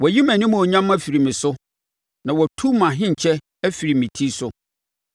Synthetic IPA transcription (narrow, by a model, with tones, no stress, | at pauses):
wɔ˨ji˦mæ̃˨nĩ˦mũ˨ɔ˨ɲã˦ma˦fi˨ɾi˨mɪ̃˨sʊ˦ | nã˨wɔ˨tʰu˦mã˨ɦɪ̃˦ɲ˨t͡ɕʰɛ˦ | æ˦fi˨ɾi˨mĩ˨tʰi˦sʊ˦